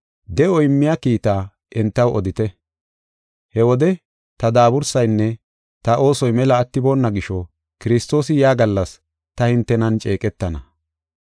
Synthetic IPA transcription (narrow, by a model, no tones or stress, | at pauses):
d̪ɛʔɔɪmːɪjakiːt̪aː | ɛnt̪ːɐwʔɔd̪ɪt̪ɛ | hɛwɔd̪ɛ | t̪ɐd̪aːbʊɾsɐjnːɛ | t̪ɐʔo̞ːsɔjmɛlɐːt̪ːɪbo̞ːnːɐɡɪʃɔ | kɪɾɪst̪o̞ːsɪjaːɡɐlːɐs | t̪ɐhɪnt̪ːɛnɐnt͡ʃʼe̞ːkʼɛt̪ːɐnɐ